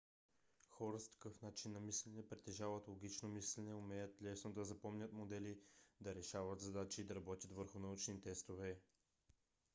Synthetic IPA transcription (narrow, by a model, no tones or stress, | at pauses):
xɔɾəskɐ̥kɤfnat͡ʃinːɐmislʲɛnɛpɾɛt̪ːɛʒavət̪lˠoɡʲit͡ʃnomislɛnɛʊmɛjət̪lʲɛsnod̪ɐzɐpɔmnʲət̪mod̪ɛlid̪ɐɾɛʃavɐt̪zɐd̪at͡ʃiːd̪ɐɾɐbɔt̪ʲət̪vəɾxʊnɐut͡ʃnit̪ɛst̪ovɛ